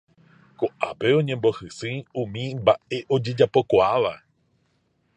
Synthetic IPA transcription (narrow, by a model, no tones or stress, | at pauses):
koʔa̰pe̞õ̞ɲẽ̞mbo̞sɨsɨ̃ũmĩmbae̞ʔo̞d͡ʒed͡ʒapo̞kʷoaʋa